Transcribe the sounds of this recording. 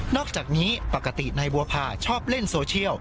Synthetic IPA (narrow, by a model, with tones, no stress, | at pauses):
nɔː˥˩k̚t͡ɕaː˨˩k̚niː˦˥pa˨˩kːa˧t̪i˨˩na˧jbu˧ɐpʰaː˧˩t͡ɕʰɔː˥˩p̚le˥˩nsoː˧t͡ɕʰi˥˩əw